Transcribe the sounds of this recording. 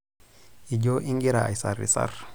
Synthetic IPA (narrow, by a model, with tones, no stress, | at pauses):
i˨ɟo˦ʔi˦ŋɡi˦ɾa˨a˨jsaɾḭ˨sa̰ɾ